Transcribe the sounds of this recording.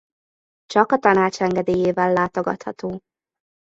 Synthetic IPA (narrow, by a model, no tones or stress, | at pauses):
t͡ʃɒkɒt̪ɒnaːt͡ʃɛŋɡɛd̪eːjeːvɛlːaːt̪o̞ɡɒ̰t̪hɒ̰t̪oː